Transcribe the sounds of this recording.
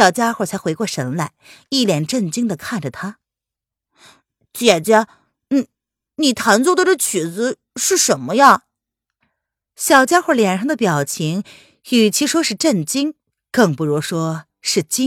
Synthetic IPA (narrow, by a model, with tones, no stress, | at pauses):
jɑ˨˩ʊt͡ɕja˥xwɔ˥˩t͡sʰa˧˥xwɪkwɔ˥˩ʂə˧˥nla˥˩ɪi˥˩ljɛ˨˩nʈ͡ʂə˥˩nt͡ɕi˥ŋd̪ə˨kʰa˥˩nʈ͡ʂə˨˩t̪ʰa˥ | t͡ɕjɛ˨˩t͡ɕja˥ | n̩˥˩ | ni˨˩t̪ʰa˧˥nt͡swɔ˥˩d̪ə˨ʈ͡ʂə˥˩t͡ɕʰɛ˨˧˥t͡sɹ̩˧ | ʂɻ̩˥˩ʂə˧˥nmə˧ja˥˩ | ɕjɑ˨˩ʊt͡ɕja˥xwɔ˥˩ljɛ˨˩nʂɑ˥ŋd̪ə˧˩pjɑ˨˩ʊt͡ɕʰi˧˥ŋ | y˨˩t͡ɕʰi˧˥ʂwɔ˥ʂɻ̩˥˧ʈ͡ʂə˥˩nt͡ɕi˥ŋ | kɤ˥˧˩ŋpu˧˩ɻu˧˥ʂwɔ˥ | ʂɻ̩˥˩t͡ɕi˥ŋ